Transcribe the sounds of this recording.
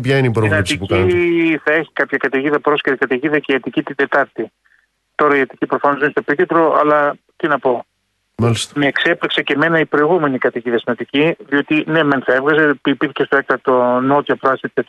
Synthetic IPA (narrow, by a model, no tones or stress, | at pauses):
pçɐineipɾonɐpst̪ipucɐiθɐe̞çi̥kɐpçɐkɐt̪iʝiðɐpɾo̞sceɾikɐt̪iʝiðɐceiɐt̪icit̪ind̪e̞t̪ɐɾt̪i | t̪o̞ɾɐiɐt̪icipɾofɐnoinst̪opit̪it̪ɾo̞ʔɐ̰lɐt̪inɐpo̞ | mɐlist̪me̞ːkse̞plikse̞ce̞me̞nɐipɾoiɣume̞nikɐt̪iʝiðɐsinɐt̪iciðio̞t̪ine̞me̞nθɐe̞vɣɐze̞pipiɾiçest̪oek̚t̪ɐt̪ono̞t̪iopɾoɐsit̪it̪ɐt̪